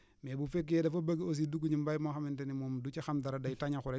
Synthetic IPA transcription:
mebufek̬ːiedafobaɡios̬idukuɲimbajmoxamintenimomdut͡ʃaxamdaɾadajitaɲaxuɾe

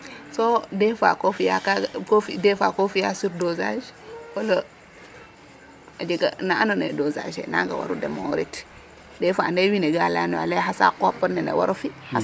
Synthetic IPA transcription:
sodɛfa̰kofijakakofidɛfakofijasuɾdozaʃwolo | ad͡ʒiɡa̰naanonɛ̰doza̰ʒɛ̰na̰ŋɡa̰wa̰ɾudɛ̰mowɾit | dɛfandewineɡalanɔa̰lɛɦasa̰kopːɔnɛnɛ̰waɾofiha

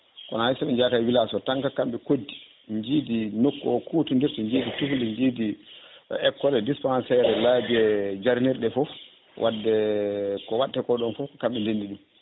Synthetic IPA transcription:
kɔ̰nahajsaɓɛɲd͡ʒakajwilasɔtaŋkakamɓɛkodːi | ɲd͡ʒidinokːɔɔkutundiɾtiɲd͡ʒiːditufliɲd͡ʒidi | ɛkːɔlɛdispansɛɾɛlad͡ʒɛd͡ʒaɾniɾɗɛfɔ | wʔadːɛkɔwaɗːɛkɔɗɔnfɔkɔkamɓɛlendiɗum

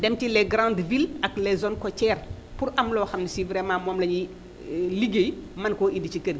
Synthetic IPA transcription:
dɛmtilɛɡɾãndvilɐklɛzɔnkɔcɛːr | puɾɐmlɔːxɐmnisivɾɛmãːmɔmlɐɲi | liɡejmɐnkɔʔidicikədɡ

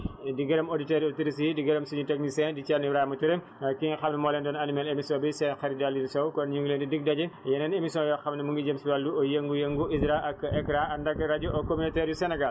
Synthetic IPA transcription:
diɡɐɾɐmoditɛɾjɔtiɾis̬iidiɡɐɾɐmsiɲutɐknisɛːdit͡ʃɐnibɾaːmɐtuɾem | kiŋxɐmnɐmɔːlɛndɔnɐnimɛlemisɔːbisɛnxɐɾidalːinsɔwkɔnɲuŋɡuleːndidiɡ̚dɐɟɐjɛnɛnemisjɔ̃jɔːxɐmnɐmuŋɡid͡ʒɐmsiwɐlːuɔjeŋɡujeŋɡuʔizɾaʔɐkːɛkɾaɐndɐɡɐɾɐɟuʔɐkːominotɛɾjusɛnɛɡal

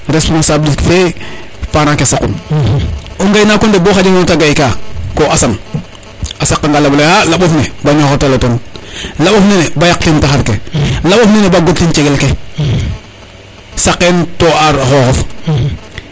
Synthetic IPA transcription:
ɾespumasabliskfe | paɾakesakun | oŋɡajinaːkondeboːxad͡ʒimontaɡajikakoʔasan | asakːaŋɡalablehalaɓofnebaɲoxotalotonlaɓofnenebajaktintaxaɾkelaɓofnenebaɡottint͡ʃeɡelke | sakːentoaɾxoːxof

